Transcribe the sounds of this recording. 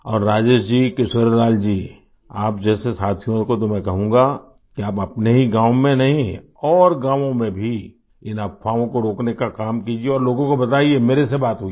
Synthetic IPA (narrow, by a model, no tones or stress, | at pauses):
ɔːɾːaːd͡ʒeːʃd͡ʒiːkeʃwəɾlaːld͡ʒiː | aːpd͡ʒɛːsesaːt̪ʰijõkot̪omɛ̃kɐɦũːŋ̆ɡa | kiaːpɐpneɦiɡãːʋmẽnɐɦĩ | ɔːɾɡãːʋõmẽbʱi | ɪnɐpʰfaːõkoɾoːknekakaːmkiːd͡ʒieɔːɾloːɡõkobɐt̪aːiemeːɾesebaːt̪ɦuɡi